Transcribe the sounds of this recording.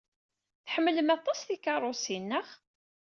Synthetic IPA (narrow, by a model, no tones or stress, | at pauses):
θħəmːələmɑt̪ˤːɑsθikɑrˤːosinːəχ